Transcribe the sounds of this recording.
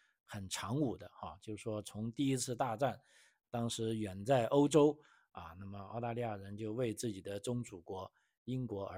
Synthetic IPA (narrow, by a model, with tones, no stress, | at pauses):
xə˨˩nʈ͡ʂʰɑ˧˥ŋu˨˩d̪ə˦a˧˩t͡ɕjo˥˧ʊ˩ʂwɔ˥t͡sʰʊ˧˥ŋt̪i˥˩i˥t͡sʰɹ̩˥˧t̪a˥˧ʈ͡ʂa˥˩n | t̪ɑ˥ŋʂɻ̩˧˥ɥɛ˨˩nt͡sa˥˩ɪʔo˥ʊʈ͡ʂo˥ʊ | ɐ˥˧na˥˩mə˩ɑ˥˧ʊt̪a˥˧li˥˧ja˥˩ɻə˧˥nt͡ɕjo˥˧ʊwe˥˧ɪt͡sɹ̩˥˩t͡ɕi˨˩d̪ə˦ʈ͡ʂʊ˥ŋʈ͡ʂu˨˩kwɔ˧˥ | i˥nkwɔ˧˥ə̰˞˧˥